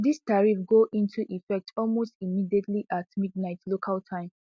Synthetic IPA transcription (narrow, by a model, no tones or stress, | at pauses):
distaɹifɡoʔĩntʰuʔifɛk̚tʰɔlmostimidietliʔatmidnaɪtlokʰaltʰãɪ̃m